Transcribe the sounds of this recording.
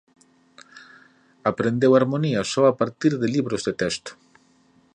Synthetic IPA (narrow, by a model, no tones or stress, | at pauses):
apɾend̪ewaɾmoniasɔapaɾt̪iɾðeliβɾozðet̪ɛst̪ʊ̥